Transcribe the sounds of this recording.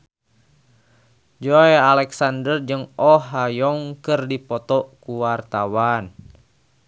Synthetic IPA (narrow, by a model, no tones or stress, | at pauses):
d͡ʒɔjalɛksandərd͡ʒəŋɔɦajɔŋkərdipɔt̪ɔkuwart̪awan